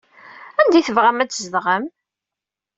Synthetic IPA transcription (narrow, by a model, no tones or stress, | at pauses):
ænd̪iθəvʁæmæt͡sːzðʁəm